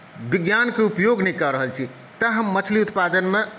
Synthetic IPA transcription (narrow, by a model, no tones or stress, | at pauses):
biɡjankeupjoɡnɛkəɾəɦəlt͡ʃʰi | t̪əɦəmːət͡ʃʰliut̪pad̪ənme